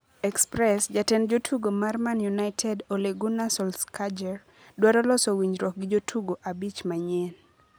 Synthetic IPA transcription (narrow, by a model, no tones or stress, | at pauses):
ɛkspɾɛsd͡ʒatɛnd͡ʒotʰuɡomarmanjunaɪtʰɛdoleɡunasɔlskad͡ʒɛɾ | dwaɾɔlɔsowiɲd͡ʒɾɔk̚ɡɪd͡ʒotʰuɡoʔabit͡ʃmaɲen